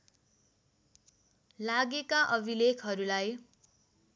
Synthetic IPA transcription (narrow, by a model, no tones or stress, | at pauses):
laɡekaʔʌbʱilekʰɦʌɾulaj